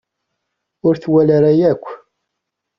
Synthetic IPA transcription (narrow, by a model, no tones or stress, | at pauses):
ʊɾθwælaɾajækʷː